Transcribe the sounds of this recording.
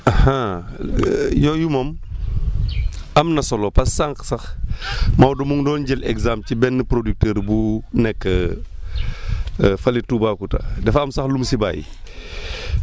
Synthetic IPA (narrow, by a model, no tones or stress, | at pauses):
aha | jɔːjumom | ɐmnɐsɔlɔpɐsːaŋksɐx | mawdumuŋdɔːnɟɛlɛkzamcibɛnːəpɾodyk̚tɛːɾbunɛkːə | fɐlitubaːkuta̰dɛfɐmsɐxlumsiba̰ːjḭ